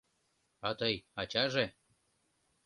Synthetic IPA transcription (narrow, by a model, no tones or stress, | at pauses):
ɑt̪ɤjɑt͡ɕɑʒe